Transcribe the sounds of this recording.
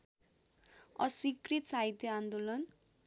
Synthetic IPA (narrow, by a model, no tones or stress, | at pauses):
ʌ̰sikrit̪saɦit̪jʌand̪olʌn